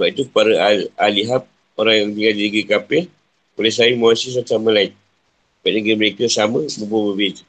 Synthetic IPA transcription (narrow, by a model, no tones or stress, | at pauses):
səbap̚it̪upaɾəalaliɦap̚ | oɾaŋjaŋpiŋadinəɡɾikapɛh | kolɛsaimawasis̬at͡ʃamə̃lain | b̥aʔ̚nəɡɾiməɾekəsamə̃bəbabəbed͡ʒ